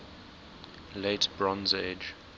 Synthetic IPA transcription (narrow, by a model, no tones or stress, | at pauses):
letb̥ɹɔ̃nzed͡ʒ